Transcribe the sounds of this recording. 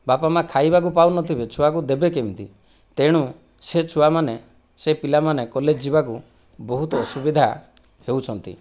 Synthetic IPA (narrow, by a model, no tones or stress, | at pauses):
bapamakʰajbakupawnɔt̪ʰibet͡ʃʰuak̬ud̪ebekemt̪ḭ | t̪eɽ̃ũ | set͡ʃʰuamane | sepilamanekɔled͡ʒd͡ʒibaku | bɔɦut̪ɔːsubid̪ʱa | heut͡ʃʰɔnt̪ḭ